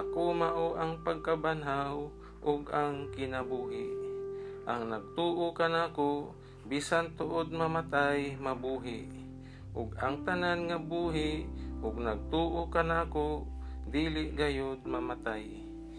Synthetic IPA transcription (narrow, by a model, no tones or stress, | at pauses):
akomaʔoʔaŋpaɡ̚kabanɦaw | ʔʊɡaŋkɪnabuːɦɪʔʔaŋnaɡ̚t̪uːʔokanaːko | biːsant̪ʊʔod̪̚mamat̪ajmabuːɦɪʔ | ʔʊɡaŋt̪ananŋabuːɦɪʔʔʊɡ̚naɡ̚t̪uːʔokanaːkod̪iːlɪʔɡajod̪̚mamat̪aj